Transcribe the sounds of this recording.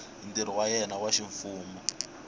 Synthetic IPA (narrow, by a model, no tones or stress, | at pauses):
ndiɾiwajɛnawaʃiɱfuːmɔ